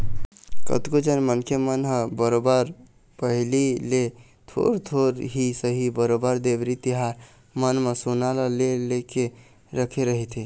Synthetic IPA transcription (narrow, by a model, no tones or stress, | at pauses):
kə̰t̪kod͡ʒənmənkʰemənɦə̃bəɾobəɾ | pəɦilile | t̪ʰo̰ɾt̪ʰoɾɦisəɦibəɾobəɾd̪ebɾit̪iɦaɾ | mənməsonaləleleke | ɾəkʰeɾəɦit̪ʰi